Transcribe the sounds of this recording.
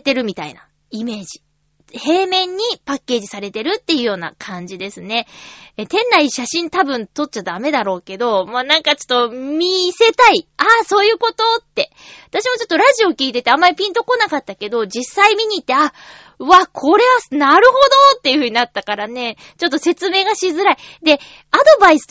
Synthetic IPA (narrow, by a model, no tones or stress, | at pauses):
t̪e̞ɾɯ̟mʲit̪a̰ḭna̰ | ime̞ːʑi̥ | he̞ːmẽ̞ɲ̟ːipakʲːe̞ːʑisaɾe̞t̪e̞ɾɯ̟t̪ːe̞jɯ̟jo̞ːna̰kʰãɲ̟d͡ʑid̪e̞sɨne̞t̪ẽ̞nːaiɕaɕĩnt̪abɯ̟̃nt̪o̞t̚t͡ɕːad̪ame̞d̪aɾo̞ːke̞d̪o̞moːnãŋkat͡ɕo̞̥t̪ːo̞mʲise̞t̪aiaso̞ːjɯ̟ːko̞t̪o̞t̪ːe̞ | βat̪aɕimo̞t͡ɕo̞t̪ːo̞ɾaʑio̞kʲiːt̪e̞t̪e̞amːaɾʲipʲĩnt̪o̞ko̞nakat̪ːake̞d̪o̞d͡ʑisːaimʲiɲ̟iːt̪ːe̞a | βakʰo̞ɾe̞βanaɾɯ̟ho̞d̪o̞t̪ːe̞jɯ̟ɸɯ̟ɲ̟inat̪ːakaɾane̞ | t͡ɕo̞t̪ːo̞se̞t͡sɨme̞ːɡaɕizɨɾaid̪e̞ | ad̪o̞baisɨ̥